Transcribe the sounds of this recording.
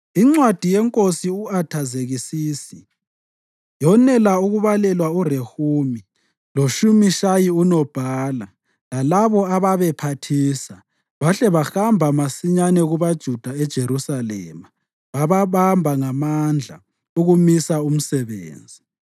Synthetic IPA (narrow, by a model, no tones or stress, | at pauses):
iŋ͡ǀwad̥ʱijɛŋkʼosiuatʰazeɣisiːsi | jɔnɛlauɣuβalɛlwaurehuːmi | loʃumiʃajiunɔb̥ʱaːla | lalaβɔaβaβɛpʰatʰiːsa | βaɬɛβaxambʱamasiɲanɛɣuβad̥ʒ̥ʱud̥ʱaɛd̥ʒ̥ʱeɾusalɛ̰ːma | βaβaβambʱaŋamand͡ɮʱa̰ | uɣumisaum̩sɛβḛːnd͡zʱi